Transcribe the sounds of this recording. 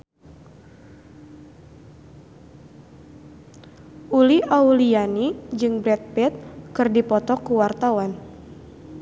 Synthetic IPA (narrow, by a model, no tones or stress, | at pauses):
ʔuliʔaulianid͡ʒɨŋbɾɛt̪̚pɛt̪̚kɨrdipɔt̪ɔkuwart̪awan